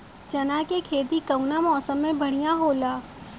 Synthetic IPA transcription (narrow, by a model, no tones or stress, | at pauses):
d͡ʒɐnakekʰeːt̪ikɐʊnamɔːsəmːẽbʱɐɽ̤ijãɦoːlaː